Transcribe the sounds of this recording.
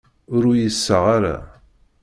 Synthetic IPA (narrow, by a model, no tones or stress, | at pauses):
ʊɾʊjəsːəʁaɾa̰